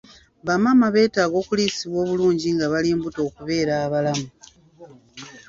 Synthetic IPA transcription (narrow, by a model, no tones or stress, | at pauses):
βamamaβe̞ːtaːɡo̞ːkuliːsiβwo̞ːβuluːɲɟiŋɡaβaliːmbuto̞ːkuβe̞ːɾaːβalamu